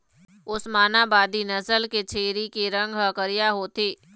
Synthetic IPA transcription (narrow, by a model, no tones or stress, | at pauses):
ʊsmaːnabaːd̪inɐsəlket͡ʃʰeːɾikeɾɐ̃ŋɡɦɐkəɾijaɦoːt̪eː